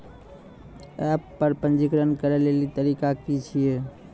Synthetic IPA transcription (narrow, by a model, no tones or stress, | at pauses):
ɛpːəɾpə̃nd͡ʒikɾənkəɾɛlelit̪əɾikakit͡ʃʰije